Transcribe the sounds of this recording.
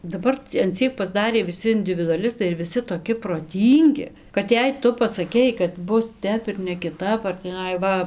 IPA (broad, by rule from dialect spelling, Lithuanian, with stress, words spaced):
dɐˈbɐr t͡sʲɛ ɐn ˈt͡sʲiɛk pɐzˈdɑːrʲeː ʋʲɪˈsʲɪ ɪnʲdʲɪʋʲɪdʊɐˈlʲɪstɐɪ ɪr ʋʲɪˈsʲɪ toːˈkʲɪ proːˈtʲiːŋʲɡʲɪ kɐt ˈjɛɪ ˈtʊ pɐsɐˈkʲɛɪ kɐt ˈbʊs ˈtʲɛp ɪr nʲɛkʲɪˈtɐp ɐr tʲiːˈnɐɪ ˈʋɐ